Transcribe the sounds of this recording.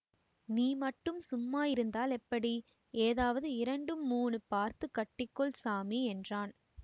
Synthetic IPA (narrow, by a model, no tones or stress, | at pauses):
niːmɐʈːɯmsʊmːaːjɪɾɯnd̪aːlɛpːɐɽi | eːðaːʋɐðɯɪɾɐɳɖɯmuːnɯpaːɾt̪ɯkːɐʈːɪkːɔɭsaːmiɛndraːn